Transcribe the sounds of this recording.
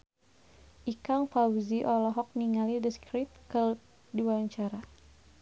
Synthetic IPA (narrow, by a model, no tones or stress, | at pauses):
ʔikaŋfawziʔɔlɔɦɔk̚niŋalidəskɾit̪̚kə | diwaɲt͡ʃaɾa